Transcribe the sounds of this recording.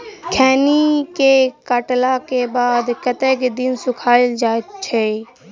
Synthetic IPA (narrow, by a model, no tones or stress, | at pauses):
kʰɛːnikekəʈlakebaːd̪kət̪ekd̪ɪnsʊkʰaːɪld͡ʒaːt͡ʃʰe